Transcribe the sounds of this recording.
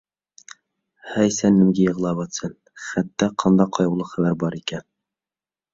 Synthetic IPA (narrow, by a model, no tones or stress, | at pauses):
hæjsænːɘ̆mɡɘjɤ̆ʁlˠɑβɑt̪sɘn | χæt̪ːæqʰɑnd̪ɑqʰɑjɤ̆wlˠɤχæβæɾbɑɾikæn